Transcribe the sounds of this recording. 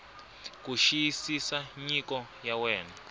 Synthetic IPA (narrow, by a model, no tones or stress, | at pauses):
kuʃijisisaɲikɔjawɛːna